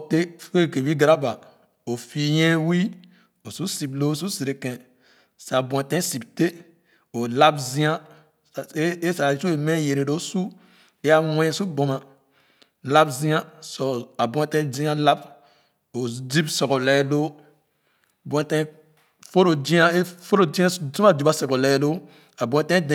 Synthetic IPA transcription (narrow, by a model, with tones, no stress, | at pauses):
te˦fe˦˨ke˨wi˦ɡɾa˦ba˨ | o˨fi˨jɛ̃˦wi˦ | o˨su˦si˨b̚lo˦˨s̬u˦si˨ɾe˨kɛ̃˨ | sa˨bũ˨ɛ̃˨tɛ̃˦si˨bte˦ | o˨la˦bzĩ˦ã˦˨˦ | e˦sa˨˦t͡ʃu˦e˨mɛ̃˦je˨ɾe˨ɾo˦su˦ | e˦ja˦wɛ̃˦˨su˦bõ˨ma˨ | la˦bzĩ˦ã˦sɔ˨a˨bɔ̃˨˦e˨tɛ̃˦zĩ˦ã˦la˦b | o˨d͡ʒi˦bsɔ˨kɔ˨lɛ˨˦lo˦˨ | bɔ̃˨ẽ˨tɛ̃˦ | fo˦ɾo˨d͡ʒĩ˦a˦e˦fo˦ɾo˨d͡ʒĩ˦ã˦zu˦a˦˨d͡ʒi˨ba˦sɔ˨kɔ˨lɛ˨˦˨do˦ | a˨bũ˨ẽ˨tɛ̃˦d